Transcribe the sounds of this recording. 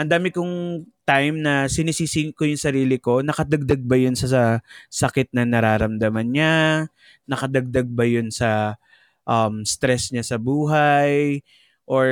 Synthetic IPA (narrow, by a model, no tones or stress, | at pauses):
ʔɐnd̪aːmɪkʊŋt̪ajmnɐsɪniːsiːsikojʊŋsɐɾiːlɪko̞nɐkɐd̪ɐɡ̚d̪ɐɡ̚bɐjʊnsɐsɐsɐkɪt̪̚nɐnɐɾaːɾɐmd̪ɐmɐnɲa | nɐkɐd̪ɐɡ̚d̪aɡ̚bɐjʊnsɐ | ʔɐmst̪ɾɛsɲasɐbuːɦaj | ʔoɹ